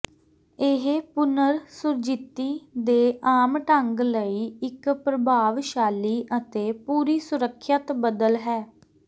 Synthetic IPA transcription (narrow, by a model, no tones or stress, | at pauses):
ɪɦpʊnəɾsʊɾd͡ʒɪt̪ːiːd̪eːʔaːmʈəŋɡləiːɪkpɾəbʱaːʋʃaːliːʔət̪eːpuːɾiːsʊɾəkʰːjət̪bəd̪əlɦɛː